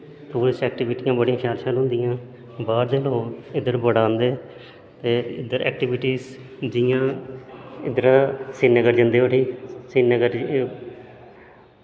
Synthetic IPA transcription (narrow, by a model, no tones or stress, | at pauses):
t̪uːɾɪsɛːkʈɪʋɪʈijãːbəɽijãːʃaːɾʃaːlɦʊ̃nd̪ɪjãː | baːɾd̪eːlõːɪd̪əɾbəɽãːnd̪eː | t̪eːɪd̪əɾɛ̰ːk̚ʈɪʋɪʈiːz | d͡ʒɪjãː | ɪd̪əɾaːsiːnəɡəɾd͡ʒənd̪eːoʈiːsinəɡəɾ